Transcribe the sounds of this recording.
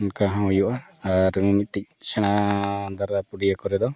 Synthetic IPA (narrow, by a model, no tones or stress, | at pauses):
nkaɦãujuʔaːɾumimit̪̚ˀt̪ic̚sɛɽ̃ad̪aɾapuɽijakɔɾɛd̪ɔ